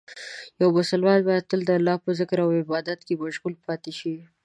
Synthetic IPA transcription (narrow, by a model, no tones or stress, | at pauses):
jawbasalwɑlbɑjad̪̚t̪əld̪əalːɑhpəzɪkɾawɪbɑd̪at̪kemaʒɣulpɑt̪eʃi